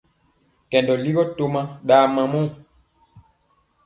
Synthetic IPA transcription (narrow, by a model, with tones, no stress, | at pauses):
kɛ˨ndɔ˨li˦ɣɔ˦to˦mã˦ɗaː˨˦mã˨mɔ̃˦˨